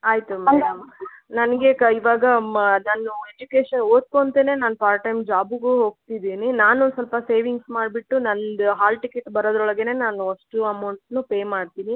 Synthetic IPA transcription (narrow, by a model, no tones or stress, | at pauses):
aːjt̪umeɖɐmnɐnɐɡe̞kɐiʋaːɡɐnɐnːued͡ʒukeːʃɐnoːt̪̚kont̪eːne̞ːnaːnupaːɾʈɐjmd͡ʒaːbuɡuːɦoːɡ̚t̪id̪iːninaːnusɐlpɐse̞ːʋiŋɡsmaːɖbiʈːunɐnd̪uɦaːlʈikeʈbɐɾoːd̪ɾɔɭɐɡe̞ne̞ːnaːnuɐʂʈuɐmɐwɳʈnupe̞ːmaːɖt̪iːni